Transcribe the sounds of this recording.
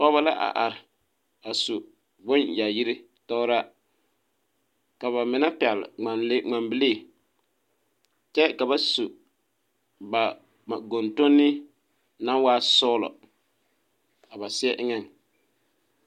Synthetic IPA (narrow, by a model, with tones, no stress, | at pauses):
ɔ˦βa˦la˦ʔa̰˨ʔa˨ɾɪ˨ | a˨su˨ | bʊ˦nja˨ji˦ɾi˦ | tɔ˦ɾa˦ | ka˨βa˨mɪ˨˦na˦pɛ˨lŋ͡ma˨nle˦ŋ͡ma˨mbɪ˨leː˦˨ | t͡ʃɛ˦ka˨βa˨su˨ | ba˨ | ma˨ɡo˨nto˦nːɪ˦ | na˦nwaː˦sɔː˦lɔ̰˨ | a˨ba˨sɪ˦ɛ˦ʔɪ˦ŋɛ˦˨n